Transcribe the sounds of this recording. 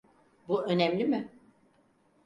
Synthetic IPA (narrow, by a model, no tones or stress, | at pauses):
buø̞nɛmlʲimɪ